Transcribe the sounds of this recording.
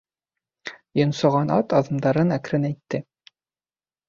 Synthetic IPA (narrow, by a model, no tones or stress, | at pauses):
jŏnsŏʁɑnɑ̰t̪ɑðɤ̆md̪ɑɾɤnækɾɘnæjt̪ːɘ